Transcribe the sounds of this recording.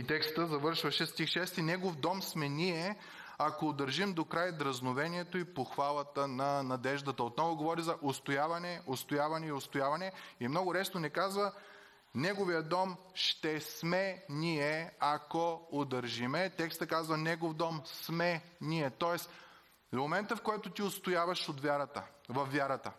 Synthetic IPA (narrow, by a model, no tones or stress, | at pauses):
it̪ɛkst̪əzɐvɤɾʃvɐʃɛst̪ixʃɛst̪inɛɡofd̪ɔmsmɛniɛ | akoːd̪ɐɾʒimd̪okɾajd̪ɾɐznovɛniɛt̪oipoxvalˠət̪ənɐnɐd̪ɛʒd̪ɐt̪əot̪nɔvoɡovɔɾizɐʔost̪ojavɐnɛost̪ojavɐnɛiost̪ojavɐnɛiɛmnɔɡʊɾɛsnonɛkazvə | nɛɡovijəd̪ɔm | ʃt̪ɛsmɛniɛɐkɔod̪ɐɾʒimɛt̪ɛkst̪ɐkazvɐnɛɡofd̪ɔmsmɛniɛt̪ɔɛs | momɛnt̪əfkɔjt̪ʊt̪iost̪ojavɐʃot̪vʲaɾət̪əvɐfːjaɾɐt̪ə